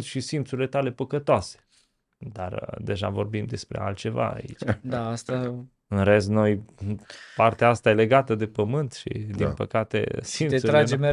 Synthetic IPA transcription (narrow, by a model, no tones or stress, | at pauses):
nt̪ʃisint̪suɾile̞t̪ale̞pəkət̪oase̥ | d̪ard̪e̞ʒa̰vo̞rbimd̪e̞spɾḛa̰lt̪̚t͡ʃe̞va̰ːḭt͡ʃd̪aast̪a | ɨnɾe̞sno̞j | part̪eaast̪aje̞le̞ɡat̪əd̪e̞pəmɨnt̪ʃḭd̪inpəkat̪ḛsinesuɾad͡ʒem